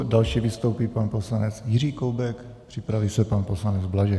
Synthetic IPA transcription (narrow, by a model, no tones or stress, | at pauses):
dalʃiːvɪst̪owpiːpanposlanɛt͡sjɪriːkowbɛk | pr̥ɪpɾaviːsɛpanposlanɛd͡zblaʒɛ